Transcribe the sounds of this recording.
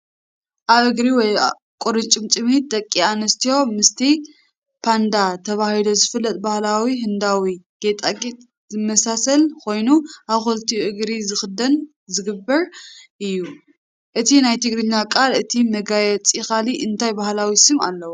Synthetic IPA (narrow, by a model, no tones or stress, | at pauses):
ʔaβɨɡɾiwɔj | kʷʼuɾɨnt͡ʃʼɨmt͡ʃʼɨmit̪̚d̪ɐkʼːianɐst̪iho̞mɨst̪ʰi | pʰand̪at̪ʰɐβahilo̞zɨfɨlːɐt̪ʼbahlawiɦɨnd̪awiɡ̥et̪ʼaɡʼit̪ʼ | zɨmɐsasɐlkʰo̞jnuʔaβxult̪ʰiʔɨɡɾizɨxɨd̪ɐn | zɨɡɨbːɐɾʔɨjːu | ʔɨt̪ʰinajt̪ʰɨɡɾɨɲːakʼalɨt̪ʰimɐɡajɛt͡sʼixaliʔɨnt̪ʰajbahlawisɨma̰lːɐwu